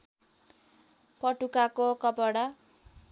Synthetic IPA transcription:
pʌʈukakokʌpʌɽa

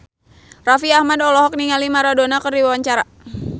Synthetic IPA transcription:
rafiahmadɔlɔɦɔk̚niŋalimaɾadonakərdiwawaɲt͡ʃaɾa

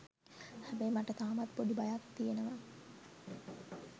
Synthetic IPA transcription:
hæbəjmaʈət̪aːmat̪poɖibajak̪t̪ijenəʋa

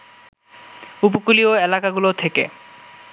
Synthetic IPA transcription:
upokulioelakaɡulot̪ʰekḛ

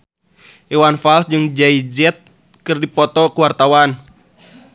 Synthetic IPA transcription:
ʔɛwanfalsd͡ʒɨŋd͡ʒaid͡ʒɛt̪̚ | kɨrdipɔt̪ɔkuwart̪awan

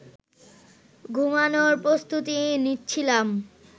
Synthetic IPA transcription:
ɡʱumanoɾpɾost̪ut̪initːt͡ɕʰilam

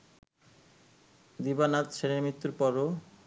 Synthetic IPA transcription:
d̪ibanat̪ʃeɾemit̪ːuɾpɔɾo

